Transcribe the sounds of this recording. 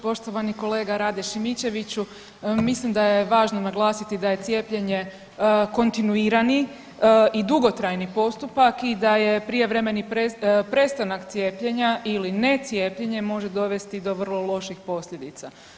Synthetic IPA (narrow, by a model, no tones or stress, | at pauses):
po̞ʃt̪o̞ʋaniko̞le̞ːɡaɾaːd̪eʃimit͡ɕe̞ʋit͡ɕu | mislimd̪ajeʋaːʒnonaɡlˠaːsit̪id̪aje̞t̪sje̞ːpʎe̞ɲe̞ | ko̞nt̪inuiːɾani | id̪uɡo̞t̪ɾajnipo̞st̪upakid̪aje̞pɾije̞ʋɾe̞me̞nipepɾe̞st̪anakt̪sʲjeːpʎe̞ɲaʔiline̞t̪sje̞ːpʎe̞ɲe̞mo̞ʒe̞d̪o̞ʋe̞st̪id̪o̞ʋərlo̞lˠo̞ʃixpo̞sʎʲe̞d̪it̪sa